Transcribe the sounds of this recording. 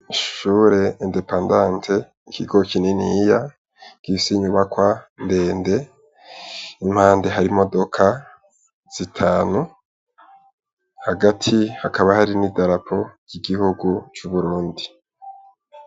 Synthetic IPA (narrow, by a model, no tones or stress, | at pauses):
iʃʃuːɾe̞ende̞paːndãːntʰe̞ | ikʰiɡo̞kininija | ɡ̥isiɲuβakwande̞ːnde̞ | im̥haːnde̞ɦaɾimo̞do̞kʰa | z̥itʰaːnu | haɡatʰihakaβahaɾinidaɾapʰo̞jiɡihuɡut͡ʃuβuɾuːndi